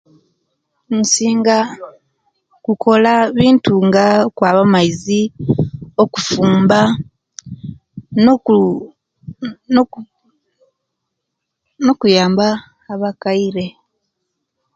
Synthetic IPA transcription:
nsiːŋɡa | kukʰo̞laβiːntuŋɡakwaːβamaizi | o̞kufuːmba | nokujaːmbaː | βakaiɾe̞

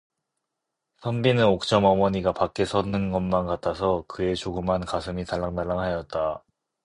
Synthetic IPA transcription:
sʰʌmbinɯnok̚t͡ɕ͈ʌmʌmʌɲiɡapak͈e̞sʰʌnɯnɡʌnmankatʰasʰʌkɯe̞t͡ɕoɡɯmɦankasʰɯmitaɭːaŋdaɭːaŋɦajʌt̚t͈a

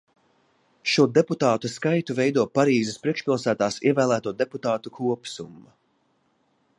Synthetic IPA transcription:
ʃuɔd̪eput̪aːt̪uskajt̪uvɛjd̪uɔpaɾiːzɪspɾiɛkʃpʲilˠsæːt̪aːsḭɛvæːlˠæːt̪uɔd̪eput̪aːt̪ukʰuɔpsumːa

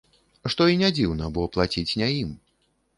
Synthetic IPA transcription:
ʂt̪ɔinʲad͡zʲiwnɐbɨwɔplˠat͡sʲit͡sʲnʲajim

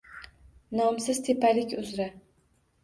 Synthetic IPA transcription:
nɒmsɪz̥t̪ʰepʰalɪkʲʊzɾa

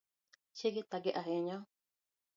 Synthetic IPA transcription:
t͡ʃeɡet̪aɡeʔaɦeɲã

